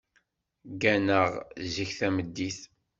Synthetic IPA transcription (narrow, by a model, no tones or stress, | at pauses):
ɡænəʁziçθæməd̪ːiθ